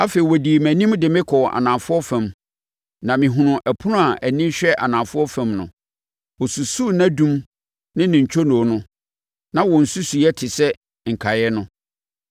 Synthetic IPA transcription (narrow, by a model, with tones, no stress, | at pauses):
a˦fe˨i˨wɔ˨di˨mæ̃˨nĩ˦mdɪ˨mɪ̃˦kʰɔ˨a̰˨nã˨mfʊ˦ɔ˦fæ̃˨m | nã˨mɪ̃˨ɦʊ̃˨nʊ̃˨ʔæ˨pʰʊ˦nʊ̃˦a˨ʔæ˨nĩ˦ɕᶣɛ˦ʔa˨nã˨fʊ˦ɔ˦fæ̃˨mnʊ̰̃˨ | wɔ˨su˨su˦˨næ̃˦dũ˦m | nɪ̃˦nɪ̃˨ɲ˨t͡ɕʰᶣo˦nʊ̃˨o˨nʊ̃˦ | nã˦wɔ̃˨n̩˨su˦su˨jɛ˦tʰɪ˨sɛ˦ | ŋ̩˨kʰa˨jɛ˦nʊ̃˦